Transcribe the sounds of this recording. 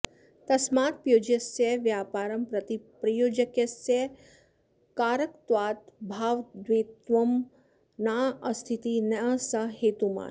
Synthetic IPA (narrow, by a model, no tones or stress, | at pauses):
t̪ɐsmaːt̪̚pjoːd͡ʒɐsjeʋjaːpaːɾɐmpɾɐt̪ipɾɐjoːd͡ʒɐkjɐse | kaːɾɐkt̪ʋaːt̪bʱaːʋd̪ʋeːt̪ʋɐm | naːɐst̪ʰit̪inɐɐsɐɦeːt̪uma̰ː